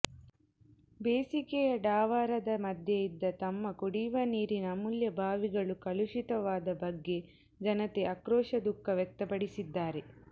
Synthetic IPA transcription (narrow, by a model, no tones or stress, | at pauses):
beːsikɛjɐɖaːʋaːɾɐd̪ɐmɐd̪ʱjɐjid̪ːɐt̪ɐmːɐkuɽiʋɐniːɾinɐmuljɐbʱaːʋiɡɐɭukɐluʂit̪ɐʋaːd̪ɐbɐɡːe̞ | d͡ʒɐnɐt̪e̞ʔɐkɾoːʂɐd̪ukːɐʋjɛk̚t̪ɐpɐɽisid̪ːaːɾe̞